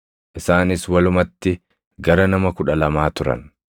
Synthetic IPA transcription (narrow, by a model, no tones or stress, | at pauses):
ʔɪsaːnɪswɐlʊmɐt̪ːɪ | ɡɐɾɐnɐmɐkʊᶑɐlɐmaːt̪ʊɾɐ̰n